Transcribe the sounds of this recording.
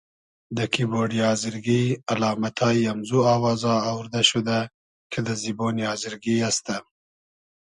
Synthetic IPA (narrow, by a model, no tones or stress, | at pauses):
d̪əkiboɖijɑzɪɾɡialɑːmat̪ʰɑiamzuawɑːzɑːwɾd̪aʃud̪a | kʰed̪əziboniɑːzɪɾɡiast̪a